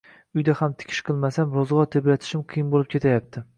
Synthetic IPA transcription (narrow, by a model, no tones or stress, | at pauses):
ʊjd̪ahamt̪ʰɪ̥kʲʰɪ̥ʃqʰɨlˠmasamɾɒzʁɒt̪ʰeblat̪ʰɪ̥ʃɪmqʰijɪmbolɪp̚kʰʲe̞t̪ʰajap̚t̪ʰɪ